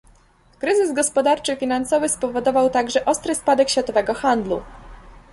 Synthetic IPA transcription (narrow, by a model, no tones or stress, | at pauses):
kɾɘzɘzɡɔspɔd̪aɾt͡ʂɘfʲinansɔvɘspɔvɔd̪ɔvawt̪aɡʐɛʔɔst̪ɾɘspad̪ɛkɕfʲat̪ɔvɛɡɔxand̪lṵ